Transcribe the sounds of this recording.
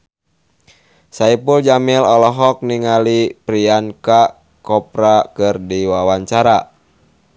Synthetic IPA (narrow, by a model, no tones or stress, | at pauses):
saipuld͡ʒamilɔlɔɦɔk̚niŋalipɾianka | kɔpɾakɨrdiwawaɲt͡ʃaɾa